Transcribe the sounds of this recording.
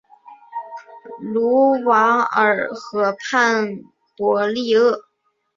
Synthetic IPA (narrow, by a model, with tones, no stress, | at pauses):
lu˧˥˧wɑ˧˥ŋə˞˨˩xɤ˧˥pʰa˥˩n | pwɔ˧˥li˥˧ɤ˥˩